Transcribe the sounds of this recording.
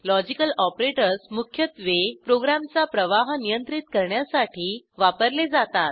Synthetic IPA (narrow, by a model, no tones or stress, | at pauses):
lɔd͡ʑikəlɔpɾeʈəɾsmukʰjət̪ʋepɾoɡɾamt͡sapɾəʋaɦnijənt̪ɾit̪kəɾɳjasaʈʰiːʋapəɾled͡zat̪at̪̚